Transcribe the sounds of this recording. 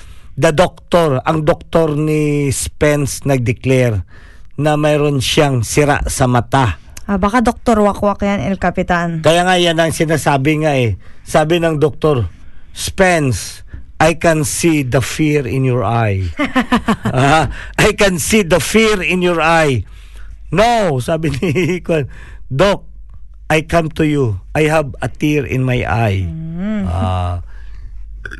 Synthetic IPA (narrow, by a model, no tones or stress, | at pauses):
d̪ɐd̪ok̚t̪oɾɐŋd̪ok̚t̪o̞ɾnɪspɛnsnɐɡ̚d̪ɪklɛɾ | nɐmɛːɾonʃaŋsɪɾa̰ʔsɐmɐt̪a | ʔabakad̪ok̚t̪oɾwakwakjanɛlkɐpɪt̪ankɐjaŋajanɐŋsɪnaːsaːbɪŋaʔɛsaːbɪnɐŋd̪ok̚t̪oɾ | spɛns | ʔajkɛnsid̪ɐfiɹɪ̃njɔɹʔaj | ʔajkɛnsid̪ɐfiɹɪnjɔɹʔaj | nowsaːbɪnɪikwɐn | d̪ok̚ | ʔajkamt̪ʊjuʔajɦɐbɐt̪iɹɪ̰̃nmajʔa̰j | a̰